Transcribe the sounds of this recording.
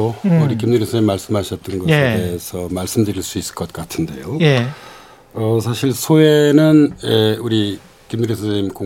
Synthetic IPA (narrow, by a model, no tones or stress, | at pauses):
ouɾikimnuɾisʰʌɲemaɭs͈ɯmɦaɕʰʌt̚t͈ɯnɡʌede̞esʰʌmaɭs͈ɯmdɯɾiɭs͈uis͈ɯ̥ɭk͈ʌt̚k͈atʰɯnde̞̰joje | ʌsʰaɕʰiɭsʰoenɯneuɾi | kimniɾisʰɯɲimko